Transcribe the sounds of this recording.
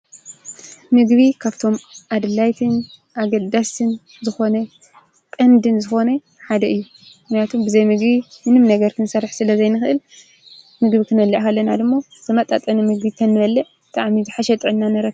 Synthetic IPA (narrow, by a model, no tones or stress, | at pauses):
mɨɡβikʰaβt̪ʰo̞mʔad̪ɨlajt̪ʰɨn | ʔaɡɐd̪ːasɨn | zɨxo̞nɐ | kʼɐnd̪ɨnzɨxo̞nɐ | ħad̪ɐɨjːu | mɨxnijat̪ʰumbɨzɐjmɨɡbimɨnɨmnɐɡɐɾkʰɨnsɐɾːɨħsɨlɐzɐjnɨxʔɨl | mɨɡbikʰɨnɐlːiʕkɐlːɐnad̪ɨmːozɨmɐt̪ʼa̰t̪ʼɐnɨmɨɡbit̪ʰɐnːɨβɐlːɨʕbt̪ʼaʕmizɨħaʃɛt̪ʼʕɨnːanɐɾɐk